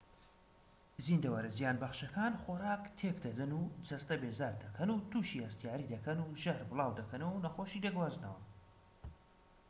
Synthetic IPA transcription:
zind̪ɐwɐɾɐzijaːnbɐχʃɐkʰaːnχoɾaːkt̪ʰekd̪ɐd̪ɨnuːd͡ʒɐst̪ɐbezaːɾd̪ɐkʰɐnut̪ʰuʃihɐst̪ijaːɾid̪ɐkʰɐnuːʒɐhɾbɨlˠɑːwd̪ɐkʰɐnɐwɐwnɐxoʃid̪eɡwaːznɐ̰wɐ

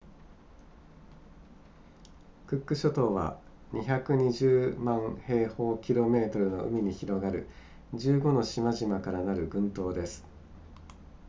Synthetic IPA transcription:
kɯ̟kːɯ̟ɕo̞t̪o̞ːβa̰ | ɲʔiçakɯ̟ɲ̟iʑɨːmãɰ̃he̞ːho̞ːkʲiɾo̞me̞ːt̪o̞ɾɯ̟no̞ʔɯ̟̰mʲiɲ̟içiɾo̞ɡaɾɯ̟̰ | d͡ʑɨːɡo̞no̞ɕimaʑimakaɾanaɾɯ̟ɡɯ̟̃nt̪o̞ːd̪e̞sɨ̥

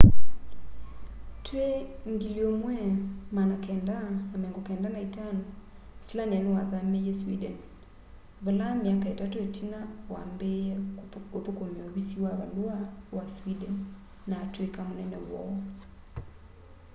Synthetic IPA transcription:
tweŋɡijomwɛmanakʰɛndanamɛŋɡokɛndanaitanosilanɛnɛwaðamejɛswidɛn | βolamjakaetatoetʰinawa̰mbeɛopokomeɔβisiwaβaloawaswidɛnː | atwekamonɛnɛwɔ̰ɔ

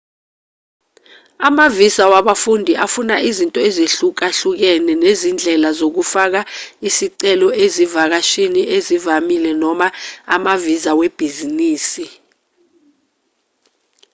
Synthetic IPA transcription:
amavisawaɓafundʱiʔafunaʔizintʼɔezeɬuk̬aɬuk̬ɛnɛnezind͡ɮʱɛlazok̬ufak̬aisiǀɛlɔʔezivak̬aʃiniʔezivamilɛnɔmaa̰mavizaweb̥ʱiziniːsi

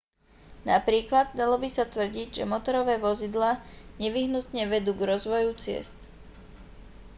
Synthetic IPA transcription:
napɾiːklad̪̚d̪alɔbisat̪ʋr̩ɟiɟʒɛmɔt̪ɔɾɔʋɛːʋɔzid̪laːɲɛʋiɦnut̪ɲɛʋɛd̪uːɡɾɔzʋɔjut͡sɪɛ̰st̪

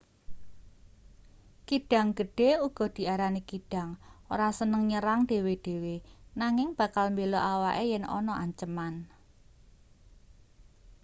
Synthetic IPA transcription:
kiɖ̥a̤ŋɡ̥ə̤ɖ̥e̤uɡ̥ɔ̤d̪̥i̤aɾanikiɖ̥a̤ŋoɾasənəŋɲəɾaŋd̪̥e̤wed̥e̤wenaŋɪŋb̥a̤kalmbelɔʔawaʔejɛnɔ̰nɔʔaɲt͡ʃəman

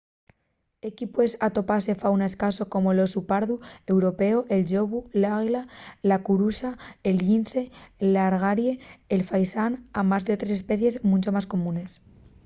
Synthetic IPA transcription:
ekipwe̞sat̪o̞pase̞fawnae̞skaso̞ko̞mo̞lo̞supaɾðue̞wɾo̞pe̞oʔe̞lʎo̞βulaɣlalakuɾusaelinθelaɾɣ̞aɾje̞ːlfajsanamazðeot̪ɾese̞spe̞θje̞zmũnt͡ʃo̞masko̞mũne̞s

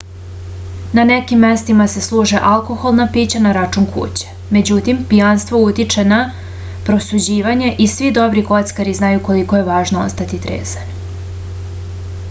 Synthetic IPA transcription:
nanekimːest̪imase̞slˠuːʒeʔalˠko̞xo̞lˠnapiːt͡ɕanaɾat͡ʂuŋkʰṵːt͡ɕe̥ | me̞d͡ʑut̪impijanst̪ʋout̪it͡ʂe̞na | pɾo̞sud͡ʑiːʋaɲeʔisʋid̪o̞bɾiko̞t̪skaɾiznajuko̞likoje̞ʋaːʒnoo̰st̪at̪it̪ɾḛːzani

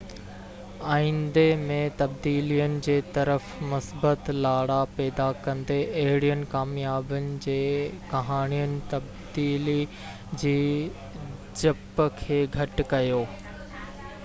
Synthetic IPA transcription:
aːĩːnd̪emẽt̪ɐb̚d̪iːlijənɪ̆d͡ʑeːt̪ɐɾəfmʊsbət̪laːɽapɛːd̪akɐ̃nd̪eʔɐɦɪɽijənɪ̆kaːmijaːbənɪ̆d͡ʑeːkɐɦaːnijənɪ̆t̪ɐb̚ | d̪iːli | d͡ʑiː | d͡ʑɐpkʰeːɡʱɐʈkɐjoː

